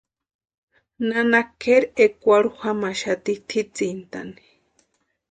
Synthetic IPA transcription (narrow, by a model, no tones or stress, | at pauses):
nanakeɾekʷaɽuhamaʃat̪it̪ʰit͡sint̪a̰ni̥